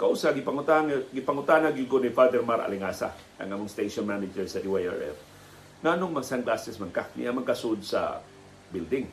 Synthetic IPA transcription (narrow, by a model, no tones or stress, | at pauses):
kɐʔuːsaɡɪpɐŋʊt̪aɡɪpɐŋʊt̪aːhnhaɡid̪̚konifad̪ɛɾmaɾɐ̰lɪŋaːsa̰ | ɐ̰ŋamoŋst̪ejʃonmanɪd͡ʒɛɹsɐd̪iwaja̰ɹɛ̰f | ŋaːnoŋmɐɡsanɡlasɛsmankanɪ̰ʔamɐɡ̚kasʊʔod̪̚sɐ̰ | bild̪ɪŋ